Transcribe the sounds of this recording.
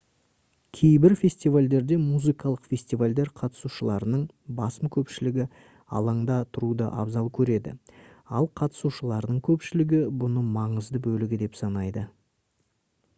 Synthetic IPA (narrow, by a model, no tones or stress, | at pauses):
kʲʰe̞jbɪɾfʲe̞sʲt̪ivalʲd̪e̞ɾd̪e̞muzɨjkɑlˠəqfʲe̞sʲt̪ijvalʲd̪e̞ɾqʰɑt̪ə̥suʃəlˠɑɾənəɴ | bɑsəmkʲʰɵpʃɪlɪɡʲɪ | ɑ̰lˠɑɴd̪ɑt̪ʰʊɾud̪ə̰ʔɑ̰bzɑlˠkʲʰɵɾe̞d̪ɪ̰ɑlˠqʰɑt̪ə̥suʃəlˠɑɾd̪əɴkʲʰɵpʃɪlɪɡʲɪbʊnəmɑɴəzd̪əbɵlɪɡʲɪd̪e̞psɑnɑjd̪ə